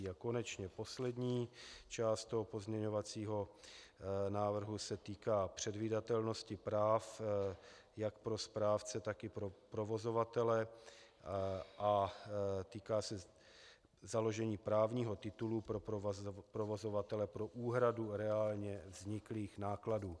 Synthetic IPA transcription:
ako̞nɛt͡ʃɲɛpo̞slɛd̪ɲiːt͡ʃaːst̪t̪oɦopozmɲɛɲovat͡siːɦo̞ | naːvr̩ɦusɛt̪iːkaːpr̝̥ɛdviːdat̪ɛlno̞scɪpɾaːf | jakpɾo̞spɾaːft͡sɛt̪akɪpɾopɾo̞vo̞zo̞vat̪ɛlɛ | ʔa | t̪iːkaːsɛ | zalo̞ʒɛɲiːpɾaːvɲiːɦo̞t̪ɪt̪ulupɾopɾovo̞zo̞vat̪ɛlɛpɾo̞ʔuːɦɾaduɾɛaːlɲɛvzɲɪkliːxnaːkladuː

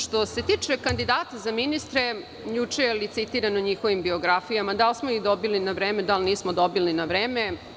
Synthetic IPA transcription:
ʃt̪o̞se̞t̪it͡ʂe̞kand̪id̪aːt̪azaminist̪ɾe̞ | jut͡ʂejelit̪sit̪iɾanoɲixo̞ʋimbio̞ɡɾafijamad̪alsmoid̪o̞bilinaʋɾeːme̞d̪alniːsmod̪o̞bilinaʋɾeːme

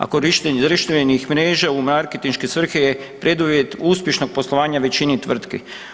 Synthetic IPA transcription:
a̰koɾiʃt̪ezɾiʃt̪eenixmɾeːʒaumaɾket̪inʃkesʋr̩xeje | pɾe̞d̪uʋjet̪uːspʲjeʃno̞ɡ̚po̞slˠo̞ʋaːɲaʋe̞t͡ɕinit̪ʋr̩t̪ki

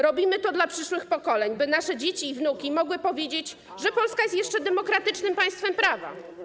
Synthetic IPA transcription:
ɾɔbʲimɘt̪ɔd̪lapʂɘʂwɘxpɔkɔlɛɲbɘnaʂɛd͡ʑet͡ɕiːvnukʲimɔɡwɘpɔvʲjed͡ʑet͡ɕ | ʐɛpɔlskajɛst̪jɛʂt͡ʂɛd̪ɛmɔkɾat̪ɘt͡ʂnɘmpaj̃st̪fɛmpɾava̰

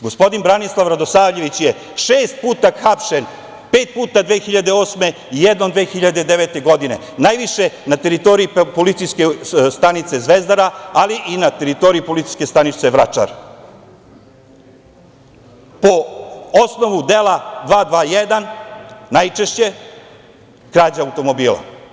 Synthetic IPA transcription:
ɡospo̞d̪inbɾanislˠaʋɾad̪osaːʋʎe̞ʋit͡ɕje | ʃeːst̪̚puːt̪axapʃen | peːt̪̚puːt̪ad̪ʋeːxiʎad̪eo̞ːsme̞ | ijed̪nod̪ʋeːxiʎad̪e̞d̪eʋet̪e̞ɡo̞d̪ine̞̰ | najʋiʃe̞nat̪eɾit̪o̞ɾiipolit̪sijskest̪anit̪se̞zʋezd̪aɾaaliʔinat̪eɾit̪o̞ɾiipolit̪si̥jske̞st̪anit̪seʋɾat͡ʃa̰ɾ | poosno̞ʋud̪elˠad̪ʋaːd̪ʋaːijed̪annajt͡ʃeʃt͡ɕe̞ | kɾaːd͡ʑaawt̪o̞mobiːlˠa̰

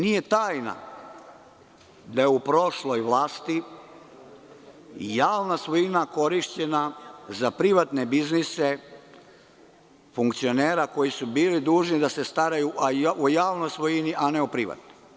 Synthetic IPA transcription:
nije̞t̪aːjna̰ | d̪ajeupɾo̞ʃlo̞jʋlˠaːst̪i | jaːʋnasʋojinako̞ɾiʃt͡ɕe̞nazapɾiʋat̪nebiznise | fuŋkt̪sio̞neːɾako̞jisubiːlid̪uːʒnid̪asest̪aɾajuʔaʔojaːʋnojsʋojiniʔaneupɾiʋa̰t̪nojj

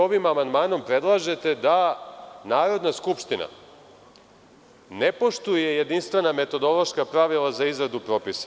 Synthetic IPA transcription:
oʋimamand̪maːno̞mpɾe̞d̪lˠaːʒe̞t̪e̞d̪anaːɾo̞d̪naskupʃt̪ina̰ | ne̞po̞ʃt̪uje̞je̞d̪inst̪ʋe̞name̞t̪o̞d̪o̞lˠo̞ʃkapɾaʋilˠazaizɾad̪upɾo̞ːpisḁ

